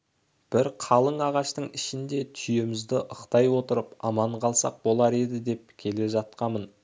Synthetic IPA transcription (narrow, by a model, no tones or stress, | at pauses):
b̥ɪɾqʰɑlˠəɴɑʁɑʃt̪əɴɪʃɪnd̪e̞t̪ʰʏje̞mɪzd̪ɪʔəqt̪ɑjwo̞t̪əɾəpɑmɑɴqʰɑlˠsɑ̰q̚bo̞lˠɑɾe̞d̪ɪd̪e̞p̚kʲʰe̞le̞ʒɑt̪̚qɑmən